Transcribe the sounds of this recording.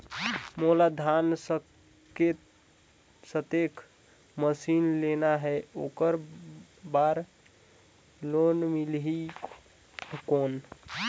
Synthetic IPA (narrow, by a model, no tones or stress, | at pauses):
molad̪ʱansə | ket̪ | sət̪ekʰ | məsinlenaɦɛokəɾ | baɾ | lonmilɦi | kon